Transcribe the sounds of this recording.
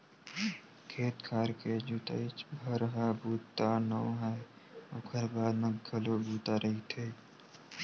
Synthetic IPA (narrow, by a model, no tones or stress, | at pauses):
kʰeːt̪kʰaːɾked͡ʒut̪ə̰ɪt͡ʃbʱəɾəɦabʱuːt̪ːanəɦɛː | okʰəɾbaːd̪mẽɡəlobʱuːt̪aɾʔəɦit̪ʰeː